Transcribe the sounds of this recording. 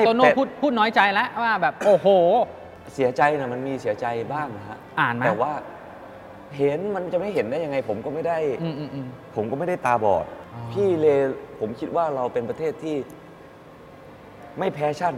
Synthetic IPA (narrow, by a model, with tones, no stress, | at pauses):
toː˧no˥˩puː˥˩t̪̚pʰuː˥˩t̪̚nɔː˦˥jt͡ɕa˧jlɛ˦˥ʔwaː˥˩bɛː˨˩p̚ʔoː˧˩hoː˨˩ | si˨˩˦ɐt͡ɕa˧jna˧˩ma˧nmiː˧si˨˩˦ɐt͡ɕa˧jbaː˥˩ŋna˦˥kʰa̰˦˥ʔtʔaː˨˩nm˦ɛː˨˩waː˥˩ | ɦe˨˦nma˧nt͡ɕa˨˩ma˥˩jɦe˩˦ndaː˥˩jːa˧ŋa˧jpʰo˩˦mkɔː˥˩ma˥˩jda˥˩jʔɯː˧ʔːʔɯː˧pʰo˩˦mkɔː˥˩ma˥˩jda˥˩jt̪aː˧bɔ̰ː˨˩t̪̚pʰiː˥˩leː˧pʰo˩˦mkʰi˦˥t̪̚waː˥˩ɾa˧wpe˧npɾa˧t̪ʰeː˥˩t̪ʰːiː˥˩ | ma˥˩jpʰɛː˦˥t͡ɕʰa˥˩n